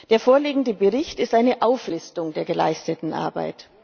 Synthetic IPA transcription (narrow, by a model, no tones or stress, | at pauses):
d̥eːɐfoːɐliːɡŋ̩dəbəʁɪçtɪstʔaɪnəʔaʊflɪstʊŋdeːɐɡəla̰ɪstətn̩ʔa̰ɐba̰ɪt